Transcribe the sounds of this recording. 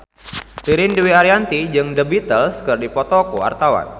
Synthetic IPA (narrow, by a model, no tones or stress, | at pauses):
t̪iɾɪnduwiaɾiant̪id͡ʒɨŋdəbit̪əlskərdipɔt̪ɔkoa̰rt̪awa̰n